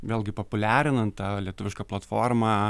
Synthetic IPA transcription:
ʋʲeːlʲˠɡʲɪpopʊlʲæːɾʲɪnɐnt̪t̪ɑːlʲiɛt̪ʊʋʲɪʃkɑplˠɐt̪foːrmɑː

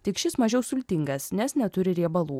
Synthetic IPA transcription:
t̪ʲɪkʃʲɪsmɐʒʲɛʊsʊlʲt̪ʲɪŋɡɐsnʲɛsnʲɛt̪ʊɾʲɪɾʲiɛbɐlˠuː

